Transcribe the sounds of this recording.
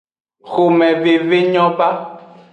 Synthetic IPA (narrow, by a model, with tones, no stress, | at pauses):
xo˨mɛ̃˨ve˨ve˦ɲɔ̃˦ba˦